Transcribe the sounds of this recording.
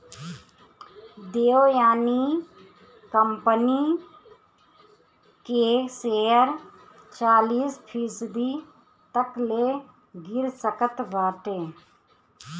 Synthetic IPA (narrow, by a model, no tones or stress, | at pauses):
d̪eːojaːni | kəmpəni | keseəɾ | t͡ʃaːliːspʰisd̪i | t̪əkle | ɡɪɾsəkət̪ʋaːʈeː